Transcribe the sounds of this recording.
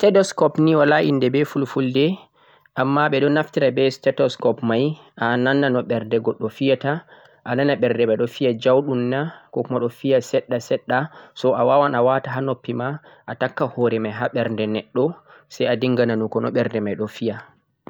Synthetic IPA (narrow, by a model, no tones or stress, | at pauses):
tɛdɔskɔpniwalaʔindɛbɛfulfuldɛ | ʔamːaɓɛɗɔnaftiɾabɛstɛtɔskɔpmaj | ʔananːanɔɓɛɾndɛɡɔɗːɔfijata | ʔananaɓɛɾdɛmajɗɔfijad͡ʒawɗunːakɔkumaɗɔfijasɛɗːasɛɗːasɔawawanawataɦanopːimaʔatakːahɔɾɛmajɦaɓɛɾndɛnɛɗːɔsajadiŋɡananukɔnɔ̰ɓɛɾndɛmajɗɔfija